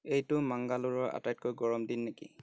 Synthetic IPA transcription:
ejtʊmaŋɡaluɹɔɹʔa̰tajt̚kojɡɔɹɔmdinːekḭ

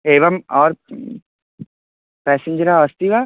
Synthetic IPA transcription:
eːʋɐmɔːɾ | pɛːsɪ̃ɲd͡ʒəɾaəst̪iʋa

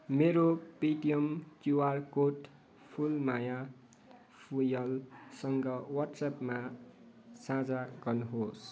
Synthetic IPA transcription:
meɾopiʈijʌmkuwarkoʈ | pʰulmaja | pʰujʌlsʌŋɡʌwʌrʈsapma | sad͡zaɡʌrnuɦos

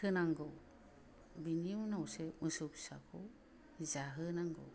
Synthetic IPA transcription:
ɯnaŋɡɔw | biniwnawsemɯsɯpsa̰kʰɔw | zaɦɯnaŋɡɔ̰

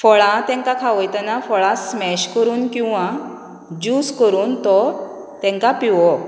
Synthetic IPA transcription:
fɔɭãt̪ɛ̃ŋkakʰaʋɔjt̪ɛnafɔɭasmɛɕkəɾuːnkĩw̃ʋã | d͡ʑuːskəɾuːnt̪ɔ | t̪ɛ̃ŋkapiʋɔ

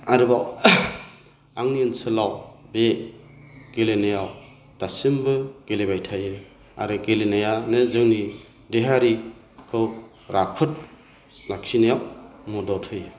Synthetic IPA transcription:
aɾɯbaw | aŋniɯnsɯlawbe | ɡ̥elenajaw | d̥asimbɯɡ̥elebajtʰajɯ | a̰ɾɯɡelenajanɯzɯŋni | deɦaɾi | kʰɯw | ɾʔapʰɯt̚ | laksinajawmɔdɔtʰɯjɯ

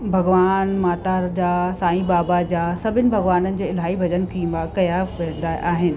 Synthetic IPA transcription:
bʱɐɡʋaːnmaːt̪aːɾd͡ʑaːsaːĩbaːbad͡ʑaːsɐbʱɪnɪ̆bʱɐɡʋaːnənɪ̆d͡ʑeːɪl̤aːibʱɐd͡ʑənkʰĩmakɐjaʋẽːnd̪aʔaːɦɪnɪ̆

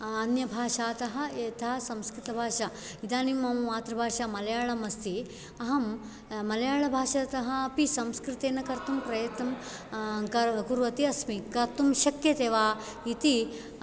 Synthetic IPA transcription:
ɐnjɐbʱaːʃaːt̪ɐɦɐ̆eːt̪ʰaːsɐmskɾit̪ɐbʱaːʃa | id̪aːnimɐmaːt̪ɾɐbʱaːʃamɐlɐjaːɭɐmɐst̪i | ɐɦɐmː | ɐlɐjaːɭɐbʱaːʃɐt̪ɐɦɐːpisɐmskɾɪt̪eːnɐkɐɾt̪umpɾɐjɐt̪nɐm | kɐkuɾʋɐt̪iɐsmikɐɾt̪umʃɐkjɐt̪eːʋaː | it̪i

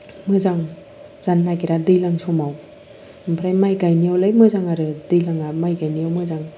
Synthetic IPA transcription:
mɯzaŋ | z̥anːaɡiɾadɯjlaŋsɔmaw | mpʰɾajmajɡajniawlajmɯzaŋaɾɯdɯjlaŋamajɡajnijawmɯzaŋ

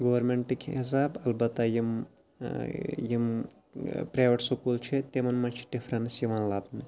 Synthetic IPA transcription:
ɡoʋɐɾmeɳʈikʰis̬aːbɐlbɐt̪ajim | jim | pɾaːjʋɐʈsokuːlt͡ʃʰet̪emɐnmɐnt͡ʃʰi̥ɖifʰɾɐnsjiʋanlaːbni

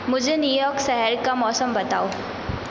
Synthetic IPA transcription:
mʊd͡ʒʱenjuːjɔːksɛɦɛɾkamɔːsəmbɐt̪aːoː

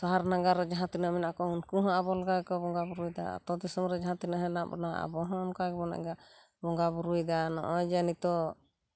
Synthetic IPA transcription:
saɦaɾnaɡaɾɛd͡ʒaɦãt̪inamɛnaʔkɔunkuɦãʔabɔlɔɡaɛkɔbɔŋɡabuɾujd̪a̰a̰t̪ɔd̪isɔmɾɛd͡ʒaɦãt̪inaɦɛ̃nambɔ̰na̰a̰bɔɦɔ̃ɔnkaɡɛbɔna̰ʔɛ̰ɡa | bɔŋɡabuɾujd̪anɔ̰ʔɔd͡ʒanit̪ɔ

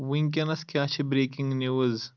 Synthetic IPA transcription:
wiŋk̬ʲɐnɐskʲaːt͡ʃʰibɾeːkiŋɡniwz

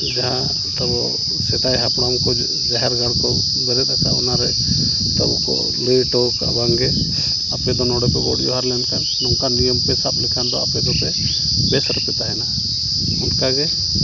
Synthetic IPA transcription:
d͡ʒaɦa | t̪ɔbɔ | sɛt̪ajɦapɽɔŋkɔ | d͡ʒaɦɛɾɡalkɔ | ɡəɾɛt̪asa̰ɔ̰naɾɛ | t̪ɔ̰bɔ̰kɔ̰ | lijʈɔka̰baŋɡɛ | apɛd̪ɔnɔɽɛpɛɡɔ̰ɽjɔɦaɾlɛnka | nɔŋkanijɔmpɛsab̚likʰand̪ɔapɛd̪ɔpɛ | bɛsɾɔpɛt̪aɦɛna | ɔnkaɡɛ

